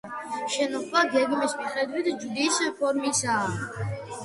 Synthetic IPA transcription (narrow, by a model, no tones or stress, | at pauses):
ʃɛnɔχwaɡɛɡmismiχɛd̪wit̪ʰd͡ʒud̪ispʰɔɾmisaː